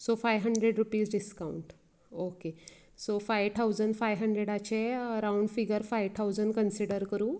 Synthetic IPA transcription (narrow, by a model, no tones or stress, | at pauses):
sofajʋɦəɳɖɾeɖɾupiːsɖiskauɳʈ | oke | sofajʋʈ̪ʰawd͡zəɳɖfajʋɦəɳɖɾeɽat͡ɕeəɾawɳɖfiɡəɾfajʋt̪ʰawd͡zəɳɖkənsiɽəɾkəɾuː